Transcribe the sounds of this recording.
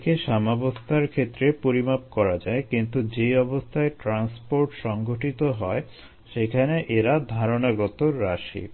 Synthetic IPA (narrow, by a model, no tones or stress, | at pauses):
keʃamabost̪ʰaɾkʰet̪ːɾepoɾimap̚kɔɾad͡ʑaekint̪ud͡ʑeɔbost̪ʰaeʈɾanspoɾʈʃɔŋɡoʈit̪oɦɔe | ʃekʰaneʔeɾad̪ʱaɾonaɡɔt̪oːaʃḭ